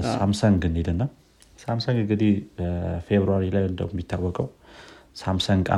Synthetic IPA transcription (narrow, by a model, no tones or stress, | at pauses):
samsəŋɡɨned̪ɨnːa | samsəŋɡɨŋɡɨd̪ihfeβɾuaɾilajɨnd̪ə̰mmːit̪ʰːawːɔkʼəwsamsəŋɡa̰